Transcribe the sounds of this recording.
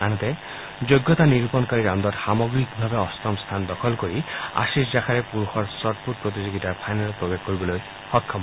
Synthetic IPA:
añɔt̪e | d͡ʒojɡːɔt̪aniɾupɔnkaɹiɾand̪ɔtxamɔɡɹikbʱabeɔst̪ɔmst̪ʰand̪ɔkʰɔlkoɹia̰siszakʰaɾepuɾuxɔɹsɔʈ̚pʰuʈ̚pɹot̪̬izoɡitaɹpʰajnalɔpɹobekkoɹibɔloj | xɔkʰːɔm

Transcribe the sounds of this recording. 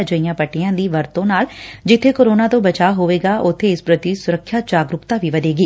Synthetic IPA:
d͡ʒəijãːpəʈijãːd̪iːʋəɾt̪õnaːld͡ʒɪt̪ʰːekoːɾoːnaːt̪õːbət͡ʃaːɦoːʋeːɡaːʔʊt̪ʰːeːɪspɾət̪isʊɾəkʰːjaːd͡ʒaːɡɾʊkt̪aːʋiːʋəd̪eːɡiː

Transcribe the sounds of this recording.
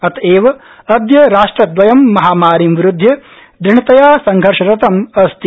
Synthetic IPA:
ɐt̪ʰeːʋɐ | ɐd̪jɐɾaːʂʈɾɐd̪ʋɐjɐmːɐɦaːmaːɾimʋɾud̪ʱjɐ | d̪ɾiɳit̪ɐjaːsɐŋɡʱɐɾʃɐɾɐt̪ɐmɐst̪i

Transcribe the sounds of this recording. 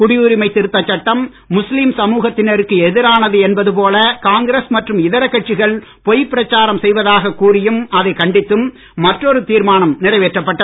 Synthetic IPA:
kʊɽɪjuːɾɪmɐɪt̪ːɪɾɯt̪ːɐt͡ʃːɐʈːɐmː | ʊslimsɐmuːɣɐt̪ːɪnɐɾɯkːɯɛðɪɾaːnɐðɯɛnbɐðɯp̬oːlɐkaːŋɡɪɾesmɐʈrɯmɪðɐɾɐkːɐʈ̚t͡ʃɪɣɐɭ | pɔjpːɪɾɐt͡ʃːaːɾɐmsɛjʋɐðaːɣɐkːuːɾɪjɯmɐðɐɪkɐɳɖɪt̪ːɯmː | ɐʈrɔɾɯt̪iːɾmaːnɐmnɪrɐɪʋeːʈrɐpːɐʈːɐ

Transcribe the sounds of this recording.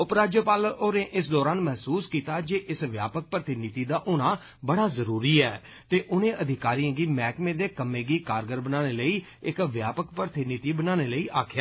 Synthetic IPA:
ʊpɾaːd͡ʒjəpaːloːɾẽːʔɪsd̪ɔːɾaːnmɛɦsuːskiːt̪aːd͡ʒeːʔɪsʋjaːpək̚pɾət̪ɪnɪt̪iːd̪aːʔʊnãː | bəɽaːzəɾuːɾiːɛː | t̪eːʔʊnẽːʔəd̪ʱɪkaːɾijãːɡiːmɛːkmẽːd̪eːkəmːẽːɡiːkaːɾɡəɾbənaːneːləiː | ɪkʋjaːpəkpɾət̪ɪnɪt̪iːbənaːneːləiːʔaːkʰja

